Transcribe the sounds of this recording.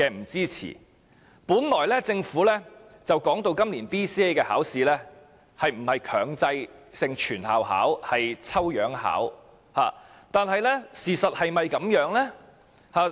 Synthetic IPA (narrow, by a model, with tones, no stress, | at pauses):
kɛː˧m̩˨˩t͡siː˥t͡sʰḭː˨˩ | puː˨˥nlɔː˨˩jlɛː˥t͡sɪ˧ŋfuː˨˥lɛː˥t͡sɐ˨wkɔː˨˥ŋt̪o˧wkɐ˥mliː˨˩npiː˥siː˥e˥kɛː˧ha̰ː˨˥wsiː˨˧lɛː˥ | hɐ˨jm̩˨˩hɐ˨jkʰœː˨˩ŋt͡sɐ˧jsɪ˨˧ŋt͡ʃʰyː˨˩nhaː˨wha̰ː˨˥whɐ˨jt͡sʰɐ˥wjœː˨˥ŋha̰ː˨˥w | haː˨˩ | t̪aː˨nɦɐ˨jlɛ˥siː˨sɐ˨t̚hɐ˨jmɐ˨jkɐ˨˥mjœː˨˥ŋlɛː˥ | haː˨˧